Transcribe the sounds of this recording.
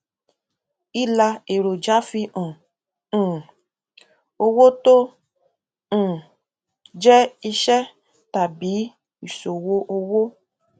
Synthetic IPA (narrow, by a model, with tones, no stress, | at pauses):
i˦la˧e˨ɾo˨d͡ʒa˨˦fi˧ɔ̃˨ | o˧wo˦to˦˨ | d͡ʒɛ˦i˧ʃɛ˦ | ta˨biː˨˦ | i˨so˨wo˧˦ʔo˧wo˦